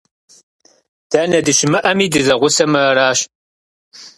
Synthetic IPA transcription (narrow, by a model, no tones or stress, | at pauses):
d̥aːnɐdɨʃɪmɨʔɐmiːdɨzɐʁʷʊsɐmɨɐɾaːɕ